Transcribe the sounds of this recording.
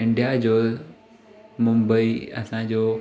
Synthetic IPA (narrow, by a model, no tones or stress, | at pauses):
ɪ̃ɳɖijad͡ʑoːl | mʊ̃mbəiɐ̰sãd͡ʑoː